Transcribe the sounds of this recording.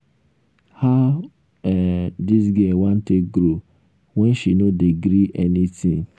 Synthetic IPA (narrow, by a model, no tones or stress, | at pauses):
ha | ɛdis̬ɡɛwãn̩teɡɾo | wɛ̃nʃinodiɡɾiʔɛnitĩŋ